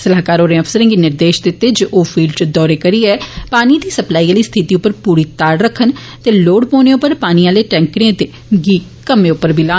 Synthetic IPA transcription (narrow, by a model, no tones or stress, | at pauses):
səlaːkaːɾoːɾẽəpʰsəɾẽŋɡiːnɪɾd̪eːʃd̪ɪt̪ːeːd͡ʒoʔoːpʰiːlɖt͡ʃd̪ɔːɾeːkəɾiːɛːpaːnid̪iːsəplaːiːaːliːst̪ʰɪt̪iːʊpːəɾpuːɾiːt̪aːɾɾəkʰːən | t̪eːloːɽpoːnẽːʊpəɾpaːniːãːleːʈɛ̃ːŋkɽẽːt̪eː | ɡiːkəmẽːʊpːəɾbʱiːlaː